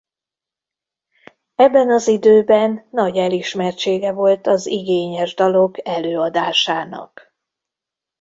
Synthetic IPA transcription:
ɛbːɛnɒzid̪øːbɛnːɒɟɛliʃmɛrt͡ʃeːɡɛvo̞lt̪ɒziɡeːɲɛʒd̪ɒlo̞kɛløːɒd̪aːʃaːnɒ̰k

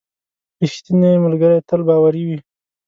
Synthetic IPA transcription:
piʃt̪ineməlɡəɾajt̪əlbɑwaɾiwi

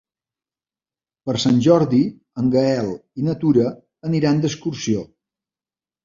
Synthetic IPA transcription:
pəɾsanʲʒɔɾði | əŋɡəɛlˠinət̪uɾə | əniɾand̪əskuɾsio

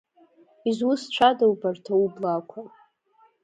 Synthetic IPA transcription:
izwʊst͡ʃʷʰadawbartʰaublakʷʰa

